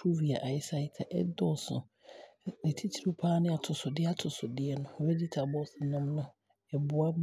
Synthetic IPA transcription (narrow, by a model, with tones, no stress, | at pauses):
pʰu˦vi˨a˨ʔa˨ɪ˦sa˦ɪ˦tʰa˨ʔɛ̰˦dɔ˦˨sʊ̰̃˨ | ɛ˨tʰi˦tʰi˨ɾũ˦pʰaː˦nɪ̃˦a˨tʰʊ˨sʊ˨dɪ˦a˦tʰʊ˨sʊ˨dɪ˦ɛ˦nʊ̃˦˨ɔ˨bɛ˦di˦tʰa˨bɔ˦sɪ˨nã˦mnʊ̃˦ | ɛ˨bʊ˨a˦b